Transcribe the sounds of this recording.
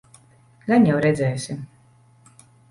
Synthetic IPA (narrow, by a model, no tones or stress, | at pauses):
ɡanjawɾɛd̪zʲɛjsʲim